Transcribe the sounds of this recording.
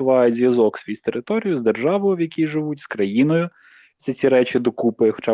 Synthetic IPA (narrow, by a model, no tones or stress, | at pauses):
ʋɑjʊtʲzʲʋʲjɐzɔksʲʋʲjist̪eɾʔɪt̪ɔɾʲijʊzd̪erʒɑʋɔjʊʋjɐkʲiʒɪʋutʲskɾɐjinɔjʊ | sʲɛt͡sʲiɾɛt͡ʃɪd̪ɔkupɪxɔ̥t͡ʃɑ